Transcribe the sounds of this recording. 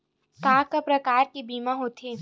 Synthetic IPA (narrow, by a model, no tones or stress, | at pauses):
kãːkɐpɾɐkaːɾkebiːmãɦoːt̪ʰeː